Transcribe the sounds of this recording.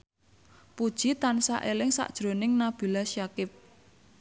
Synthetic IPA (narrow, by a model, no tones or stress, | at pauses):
pud̥ʒ̥it̪ansa̰ʔelɪŋsa̰ʔd̥ʒ̥ɾo̤nɪŋnab̥i̤lasjakɪp̚